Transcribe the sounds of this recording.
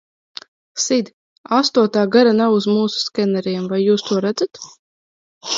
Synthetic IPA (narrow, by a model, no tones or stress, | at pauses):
sid̪ʲ | ast̪uɔt̪aːɡaɾanawuzmuːsu̥skʲɛnaɾiɛmvajːuːst̪uɔɾæd̪zat̪